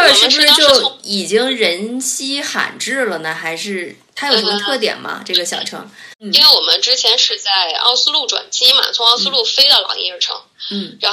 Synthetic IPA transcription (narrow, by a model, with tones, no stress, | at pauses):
ʂɻ̩˥bʂɻ̩˥t͡ɕjo˥˩ʊ˧i˨˩t͡ɕi˥ŋ˥ɻə˧˥nt͡ɕʰi˥xa̰˨˩nʈ͡ʂɻ̩˥˩lə˩nə˩xa˧˥ɪʂɻ̩˥˩ | t̪ʰa˥jo˨˩˧t̪ʰɤ˥˩t̪jɛ̰˨˩nmɐ̰˧ʈ͡ʂɤ˥˩ɡə˩ɕjɑ˨˩ʊʈ͡ʂʰɤ̰˧˥ŋn̩˥˩˥ŋwe˥˩ɪwɔ˨˩mə˦nʈ͡ʂɻ̩˥t͡ɕʰjɛ˧˥nʂɻ̩˥˧t͡sa˥˩ɪɑ̰˥˧ʊsɹ̩˥lu˥˩ʈ͡ʂwa̰˨˩nt͡ɕi˥mɐ̰˩t͡sʰʊ˧˥ɑ˥˧ʊs̩˥lu˥˩fe˥ɪd̪ə˨lɑ̰˨˩ŋḭ˥˧ɻ̩˥˧ʈ͡ʂʰɤ̰˧˥ŋn̩˥˩ɻa˧˥